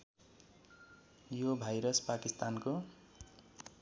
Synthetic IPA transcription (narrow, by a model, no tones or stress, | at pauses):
jobʱajɾʌspakist̪anko